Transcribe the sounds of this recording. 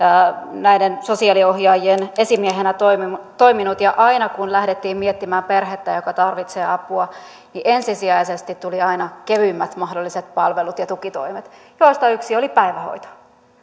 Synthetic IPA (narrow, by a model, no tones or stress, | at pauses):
næidenso̞siɑlio̞hjɑːjiene̞simieɦenæt̪omit̪o̞iminut̪jɑʔɑinɑkunlæhdet̪ːiːmmiet̪ːimæːmperɦet̪ːæjokɑt̪ɑrʋit̪seːɑpuɑ | niʔensisiæisest̪it̪tːuliɑinɑkeʋymːæt̪mɑhdolːiset̪pɑlʋelut̪jɑt̪ukit̪o̞̰imet̪joːst̪ɑyksiolipæiʋæho̰it̪o̥